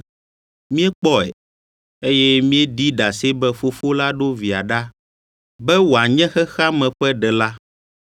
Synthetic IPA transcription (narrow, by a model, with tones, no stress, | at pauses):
mĩ˦ɛ˦k͡pɔ˦ɛ̰˨ | e˦jɛ˦mĩ˦ɛ˦d̪i˦ɖa˨se˦bɛ˦fo˦fo˦la˦ɖo˦vi˨a̰˨ɖa˦ | bɛ˦wo˨a˨ɲɛ̃˦xɛ˦xa˦mɛ̃˨ɸɛ˦ɖɛ˨la˦